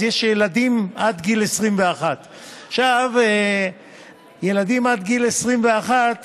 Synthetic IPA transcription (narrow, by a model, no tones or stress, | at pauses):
jeʃjelad̪imʔad̪ɡilesʁimveaχat̪ | aχʃave | je̞lad̪imad̪ɡilesʁimve̞aχat̪